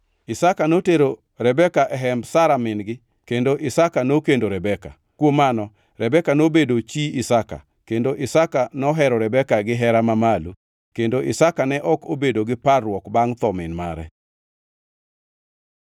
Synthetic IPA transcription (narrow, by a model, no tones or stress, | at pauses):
ɪsakanoteɾo | ɾɛbɛkaʔɛɦɛmbsaɾamɪnɡɪ | kendoʔɪsakanokendoɾɛbɛka | kwomanɔ | ɾɛbɛkanobedot͡ʃiisaka̰ | kendoʔɪsakanɔɦɛɾɔɾɛbɛkaɡɪɦɛɾamamalu | kendoʔɪsakanɛʔɔkobedoɡɪparːwɔkbaŋt̪ɔmɪnma̰ɾɛ̰